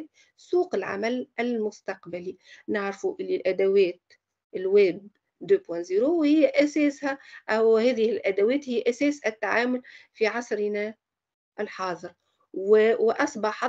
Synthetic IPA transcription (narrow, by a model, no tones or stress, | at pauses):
suːqɪlʕa̰mælɪlmʊst̪ɑqbalinɪʕɾfuʔɪlːilʔæd̪awɛːt̪̚ | ɪlwɛːb̚ | d̪øːbwæ̃ziːɾuhɪjːæʔæsɛːshæʔæwhɛːðɪhɪlʔæd̪æwɛːt̪hɪjːʔæsɛːsʔɪt̪ːaʕaːmʊlfiʕɑsɾnæ | ʔɪlħɑːðˤɨɾ | wwʔɑsˤbɑħɑ